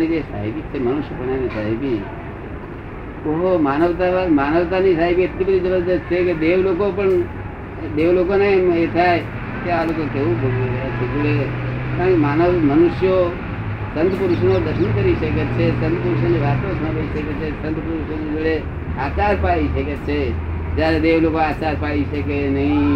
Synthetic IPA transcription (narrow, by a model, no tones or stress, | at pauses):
nid͡ʒesa̰ɦibit͡ʃʰemənʊʃjəpəɳanisaɦibi | oɦomanəʋt̪amanəʋt̪anisaɦibiət̪libəd̪ʱid͡ʒəbəɾd̪ət͡ʃʰeked̪eʋlokopəɳ | d̪eʋlokonemet̪ʰaj | kealokokeʋũbʱəɡasʰekuɭeãkemanəʋmənʊʃjo | sə̃nt̪pəɾuʃnod̪əʃʰənkəɾiʃəket͡ʃʰesə̃nt̪pəɾuʃəniʋat̪õt̪ʰə̃bəiʃəket͡ʃʰesə̃nt̪pəɾuʃoned͡ʒoɭe | at͡ʃaɾpaɭiʃəket͡ʃʰe | d͡ʒjaɾed̪eʋlokoat͡ʃaɾpaɽiʃəkenəɦĩ